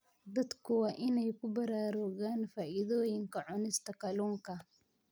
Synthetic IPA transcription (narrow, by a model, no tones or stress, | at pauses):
d̪ɐd̪kʰʊwɑːʔɪnɛjkʰʊbɐɾaːɾɔɣaːnfaːʔɪðɔːjɪŋkʰɐʕʊnɪst̪ʰɐkɐluːŋkʰɐ